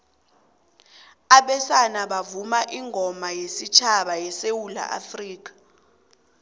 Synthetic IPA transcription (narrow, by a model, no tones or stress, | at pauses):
aɓɛsanaɓavumaʔiŋʱɔmajesit͡ʃʰaɓajɛsewula̰ʔa̰friːk̬ḁ